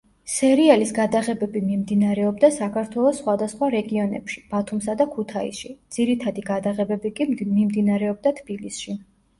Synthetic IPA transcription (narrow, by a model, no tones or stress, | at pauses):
sɛɾialisɡad̪aʁɛbɛbimimd̪inaɾɛɔb̚d̪asakʰaɾt̪ʰwɛlˠɔsːχwad̪asχwaɾɛɡiɔnɛ̰pʃi̥b̥at̪ʰumsad̪akʰut̪ʰaḭsʃid̪z̥iɾit̪ʰad̪iɡad̪aʁɛbɛbikʼimimd̪inaɾɛɔb̚d̪at̪ʰb̥ilisʃi